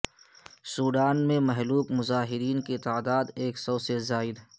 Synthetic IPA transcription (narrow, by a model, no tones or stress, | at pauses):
suːɖaːnmẽmɛɦluːpmʊzaːɦɪɾiːnket̪aːd̪aːd̪eːksɐbsezaːɪd̪ɦ